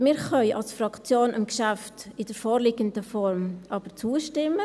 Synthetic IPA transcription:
mɪːɾχœʏʔɑ̰lsfrɑkt͡sjoːnʔɪ̰mɡʃaftɪdəɾfoːɾliɡəndəfɔɾmʔɑːb̥ət͡suːəʃtɪmə

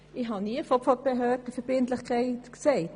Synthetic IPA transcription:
ɪɦɑniəfɔpfɔb̥ɛɦœːtəfɛb̥ɪntlɪχkʰaɪtkseɪt

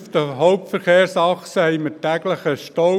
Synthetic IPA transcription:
fd̪əɦɔʊp̚tfəɾχeːɾsɑχsəhɛɪmətæɡləχəʃtɔ

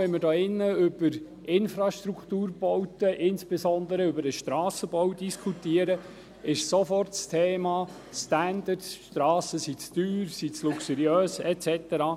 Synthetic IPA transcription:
ɛnməɾdɔːɪnːəʏb̥əɾ | ɪnfɾɑʃt̪ɾukʰt̪uːɾb̥ɔwtəʔɪnsb̥esɔnd̪əɾəʏbəɾəʃt̪ɾɑːsəbɔwdiskʰutiəɾə | ɪʃsofɔrtstʰeːmɑː | st̪ænd̪əɾtsʃt̪ɾɑːsəsit͡styːɾsit͡sluksəɾiøːsɛt͡sɛt̪əɾɑː

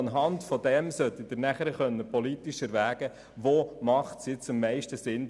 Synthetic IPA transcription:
ɑnɦɑntfɔd̪ɛmsœt̪ːid̥əɾnæχəɾəχœnːəpɔlit̪iʃəɾʋæːɡ̥ə | ʋoːmɑχtsjɪt͡sɪmːɛɪʃtəsɪn

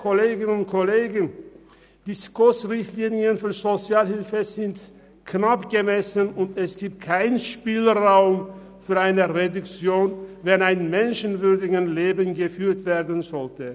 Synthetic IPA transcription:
kʰoleːɡənʊnt̚kʰoleːɡən̩ | d̥iskʊsʁɪçtliːniənfyːɐzot͡sjaːlhɪlfəzɪnt | knapɡ̥əmɛsənʊntɛsɡ̥iːp̚t̚kʰaɪnʃpiːlʁaʊm | fyːɐaɪnəʁedʊkt͡sjoːnvɛnaɪnmɛnʃənvʏɐdɪɡənleːbənɡəfyːɐtv̥eːɐdən̩zɔltə

